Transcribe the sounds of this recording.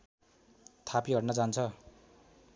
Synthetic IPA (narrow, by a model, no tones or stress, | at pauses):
t̪ʰapiɦʌɽnʌd͡zant͡sʰʌ